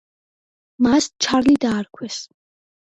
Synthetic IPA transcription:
mast͡ʃʰaɾlid̪aːɾkʰwɛs

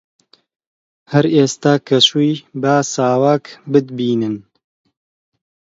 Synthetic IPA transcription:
hɐɾeːst̪aːkʰɐʃujbaːsaːwaːkbɨd̪biːnɨn

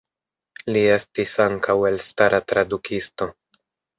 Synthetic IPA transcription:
lie̞stisaŋkʰawe̞lstaɾatɾadukʰisto̞

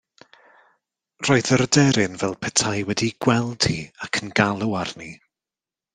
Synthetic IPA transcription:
roːɨðəɾədɛɾɪnvɛlˠpʰɛtʰajwɛdiɡ̥wɛlˠd̥hiakʰənɡalˠəarni

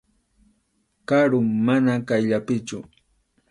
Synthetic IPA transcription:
kaɾʊŋmanakajʎapɪt͡ʃʊ̰

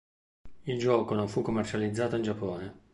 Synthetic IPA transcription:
ild͡ʒɔːkonoɱfukːomːert͡ʃalid̪zːaːt̪oind͡ʒapːɔːne

